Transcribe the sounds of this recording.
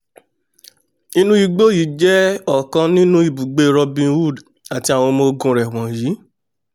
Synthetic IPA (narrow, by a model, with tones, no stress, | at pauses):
ĩ˦nũ˦i˧ɡ͡bo˦˨ji˨˦d͡ʒɛ˦ɔ˨kã˧nĩ˦nũ˦i˦˨bu˨ɡ͡be˧ɾɔ˧bĩ˧wu˦˨d | a˨ti˧a˨w̃ɔ̃˧mo˧ɡũ˧ɾɛ˨w̃ɔ̃˨ji˨˦